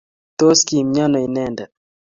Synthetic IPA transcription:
t̪o˦ski˨mɲɔ˦nɔ˨i˨nɛ˦ndɛ˨

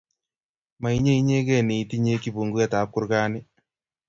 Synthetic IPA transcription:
ma˨i˦ɲe˦i˦ɲe˦kɛ˦˨ni˨ti˦ɲe˦ki˦bu˨ŋɡu˦a˦˨ta˨˦p̚kʊ˦ɾkaː˦nɪ˦

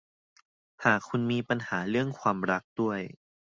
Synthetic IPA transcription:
haː˨˩kʰːu˧nmiː˧pa˧nhaː˩˦ɾɯ˥˩əŋkʰwaː˧mɾa˦˥k̚d̥u˥˩əj

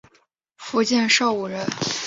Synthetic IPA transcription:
fu˧˥t͡ɕjɛ˥˧nʂo˥˩ʊu˨˩ɻə˧˥n

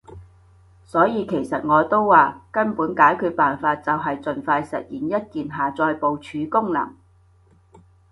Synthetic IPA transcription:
sɔː˨˥jiː˨˧kʰe˨˩jsɐ˨t̚ŋɔː˨˧t̪o˥wːaː˨kɐ˥npuː˨˥nkaː˨˥jkʰy˨˧paː˨nfaː˧t̚t͡sɐ˨wɦɐ˨jt͡sɵ˨nfaː˧jsɐ̰˨t̚jiː˨njɐ˥t̚kiː˨nɦaː˨t͡sɔː˧jpo˨wt͡ʃʰyː˨˧kʊ˥ŋlɐ̰˨˩ŋ

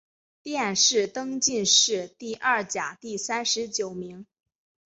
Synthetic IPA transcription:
t̪jɛ˥˧nʂɻ̩˥˩t̪ɤ˥ŋt͡ɕi˥˧nʂɻ̩˥˧t̪i˥˧ʔɐ˥˩t͡ɕja˨˩t̪i˥˩sa˥nʂɻ̩˧˥t͡ɕjo˨˩ʊmi˧˥ŋ

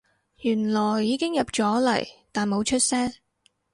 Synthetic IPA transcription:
jyː˨˩nlɔː˨˩jːiː˨˧kɪ˥ŋjɐ˨p̚t͡ʃɔː˨˥lɐ̰˨˩jt̪aː˨˩nmo˨˧wt͡ʃʰɵ˥t̚sɛː˥ŋ

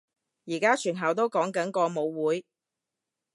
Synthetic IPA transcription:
jiː˨˩kaː˥t͡ʃʰyː˨˩nɦɐ˨˩wt̪̬o˥wkɔː˨˥ŋkɐ˨˥nkɔː˧mo˨˧wːuː˨˥j

